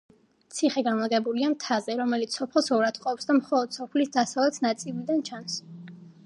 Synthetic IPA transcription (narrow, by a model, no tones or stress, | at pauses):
t̪sʰiχɛɡamaɡɛbuliamt̪ʰazɛɾɔmɛlit̪sɔpʰɛlˠsɔɾat̪qʼɔpsd̪amχɔlˠɔd̪̥sɔpʰlisd̪asavlɛt̪ʰnat̪sʼilid̪ant͡ʃʰans